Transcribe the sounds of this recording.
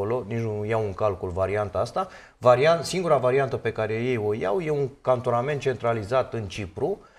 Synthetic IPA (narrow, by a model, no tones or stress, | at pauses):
olo̞nit͡ʃnunujawɨŋkalkulvaɾiant̪aast̪a | vaɾiansiŋɡuɾavaɾiant̪əpe̞kaɾe̞je̞jo̞ja̰wje̞uŋkant̪o̞name̞nt̪̚t͡ʃe̞nt̪ɾalizat̪ɨnt͡ʃipɾu